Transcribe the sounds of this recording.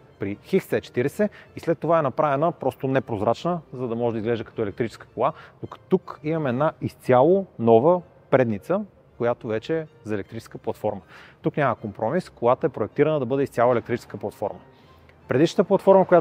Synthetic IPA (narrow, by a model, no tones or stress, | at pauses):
pɾixixsɛt͡ʃɛ̥t̪iɾɛsɛislɛt̪ːovaɛnɐpɾavɛnəpɾɔst̪onɛpɾozɾat͡ʃnəzɐd̪ɐmɔʒɛd̪əizɡlɛʒd̪əkɐt̪ɔɛlɛkt̪ɾit͡ʃɛ̥skə̥kolˠanokt̪ukimɐmɛɛd̪naʔist̪sʲjalˠonɔvə | pɾɛd̪nit̪sə | kojat̪ovɛt͡ʃɛzɐɛlɛkt̪ɾit͡ʃɛ̥skəplˠɐt̪fɔɾmət̪uknʲaməkompɾɔmiskolˠat̪əɛpɾoɛk̚t̪iɾənəd̪ɐbɤd̪ɛist̪ʲalˠəɛlɛkt̪ɾit͡ʃɛ̥skəplˠɐt̪fɔ̰ɾmə | pɾɛd̪iʃnət̪əplˠɐt̪fɔɾməkoja